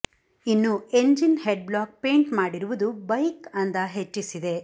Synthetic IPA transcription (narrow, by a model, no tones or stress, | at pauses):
inːue̞ɲd͡ʒinheɖ̚blaːk̚peːɳʈmaːɽiɾuʋud̪ubɐjkɐnd̪ɐɦe̞t͡ʃːisid̪e̞